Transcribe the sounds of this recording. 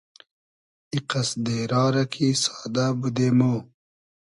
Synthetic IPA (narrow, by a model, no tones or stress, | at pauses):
iqɐsd̪eːɾɑːɾɐkʰisɑːd̪abud̪eːmoː